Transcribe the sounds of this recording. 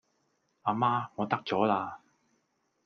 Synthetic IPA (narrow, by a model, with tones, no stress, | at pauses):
aː˧maː˥ŋɔː˨˧t̪ɐ˥k̚t͡sɔː˨˥laː˧